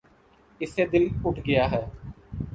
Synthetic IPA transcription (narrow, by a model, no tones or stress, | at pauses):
ɪseːd̪ɪlʊʈʰɡɪjaːɦɛː